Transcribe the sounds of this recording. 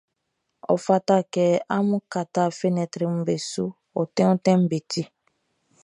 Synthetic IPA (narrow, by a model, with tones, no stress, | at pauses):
ɔ̰˨fa˦ta˦˨kɛ˨a˦mũ˦ka˨ta˦˨fe˦nɛ̃˨tɾi˨m̩˦be˨su˦ | ɔ˨tɛ̃˦ũ˦tɛ̃˦m̩˦be˨ti˦